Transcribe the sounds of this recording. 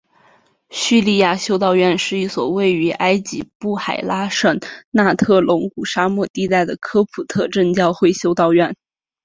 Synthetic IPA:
ɕy˥˧li˥˧ja˥˩ɕjo˥ʊt̪ɑ˥˧ʊɥɛ˥˧nʂɻ̩˥˧i˥˩swɔ˨˩we˥˩ɪy˧˥ʔa˥ɪt͡ɕḭ˧˥pu˥˩xa˨˩ɪla˥ʂə˥˩nna˥˧t̪ʰɤ˥˩lʊ˧˥ŋku˨˩ʂa˥mwɔ˥˧t̪i˥˧t̪a˥˩ɪd̪ə˩kʰɤ˥pʰu˨˩t̪ʰɤ˥˧ʈ͡ʂə˥˧ŋt͡ɕjɑ˥˧ʊxwe˥˩ɪɕjo˥ʊt̪ɑ˥˧ʊɥɛ˥˩n

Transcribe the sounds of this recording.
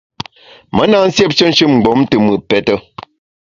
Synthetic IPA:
mə˦na˦˨n̩˦sje˦p̚t͡ʃə˦n̩˦ʃɨ˦mŋ͡m̩˨ɡ͡bo˨˦mtɨ˨mɨ˨pɛ˦tə˦

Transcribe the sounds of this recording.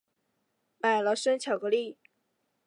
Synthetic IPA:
ma˨˩ɪlə˧˦ʂə˥nt͡ɕʰjɑ˨˩kɤ˧˦li˥˩

